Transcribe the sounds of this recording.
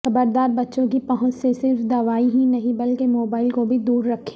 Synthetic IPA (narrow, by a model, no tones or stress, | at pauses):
xɐbəɾd̪aːɾbɐtːʃõkipɐɦʊ̃t͡ʃsesɪɾfd̪ɐʋaːiɦinɐɦĩbɐlkemoːbaːɪlkobʱid̪uːɾːɐkʰːe̥ː